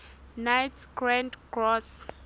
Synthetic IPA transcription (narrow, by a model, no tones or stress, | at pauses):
najtɡ̥ɹãndɡɹɔs